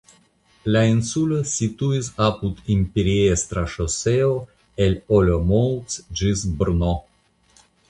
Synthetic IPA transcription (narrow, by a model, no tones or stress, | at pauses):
lainsulosit̪uisapud̪impeɾiest̪ɾaʃoseo | elolʲomowtsd͡ʒisbɾno